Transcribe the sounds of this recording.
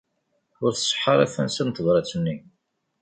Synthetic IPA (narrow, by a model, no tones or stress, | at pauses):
ʊɾθə̥sˤːə̥ħːəɾˤæ̰θænsənt̪əðɾˤɑt͡sːənːi